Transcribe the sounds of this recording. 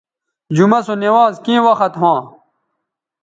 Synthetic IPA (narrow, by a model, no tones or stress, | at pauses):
d͡ʑumɐsonewaːzkĩːwɐxɐt̪ɦãː